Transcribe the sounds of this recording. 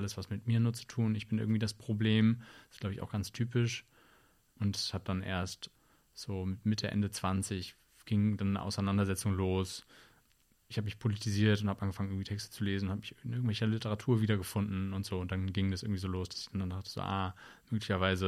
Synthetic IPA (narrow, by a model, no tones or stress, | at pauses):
ʔaləsv̥asmɪtmiːɐnuːɐt͡su̥tʰuːnɪçb̥ɪnʔɪ̰ɡŋ̩tv̥iːdaspʁ̥obleːmɪstɡ̥laʊbəɪçʔa̰ʊxɡ̥ant͡sstʰyːpɪʃ | ʔʊntshat̚d̥anʔḛːɐst | z̥oːmɪtmɪtʰəʔɛ̰ndət͡sv̥ant͡sɪç | ɡ̥ɪŋdanːə̰ʔa̰ʊsaɪnandɐzɛt͡sʊŋloːs | ɪçhaːbəmɪçpʰolitʰiziːɐtʊnthabəʔanɡəfaŋənɪɐɡŋ̩v̥iːtʰɛkstə̥t͡suleːzn̩ʊnhaːbəmɪçnɪɐɡŋ̩tv̥ɛlçɐlɪtəʁatʰuːɐviːdɐɡəfʊndn̩ʊntz̥oːʊnt̚d̥anɡɪŋdas̬ʔɪɐɡŋ̩tvizoːloːsd̥asɪ̥çd̥andandaχtə̥z̥o̰ːʔa̰ːmøːklɪçɐvaɪzə